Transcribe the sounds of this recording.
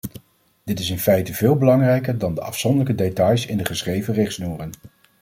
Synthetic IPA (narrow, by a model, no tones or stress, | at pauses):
d̥ɪtɪsɪnfɛjtəvɪːlˠbəlɑŋrɛjkəɹdɑndəʔɑ̰fsɔndələkədetɑjsɪ̰ndəχəsχrejvərɪχtsnuːrən